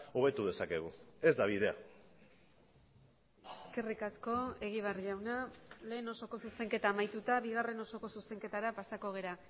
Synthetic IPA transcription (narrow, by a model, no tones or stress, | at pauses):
oβe̞t̪uðe̞sake̞ɣ̞ue̞zd̪aβiðe̞a | e̞ske̞rikasko̞e̞ɣ̞iβerʎawnale̞ːno̞so̞ko̞suse̞ŋke̞t̪aːmajt̪ut̪aβiɣ̞are̞no̞so̞ko̞suse̞ŋke̞t̪aɾapasako̞ɣ̞e̞ɾa